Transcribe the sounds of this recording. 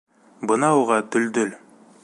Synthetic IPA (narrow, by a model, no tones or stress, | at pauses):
bənɑwoʁɑd̪ɵld̪ɵl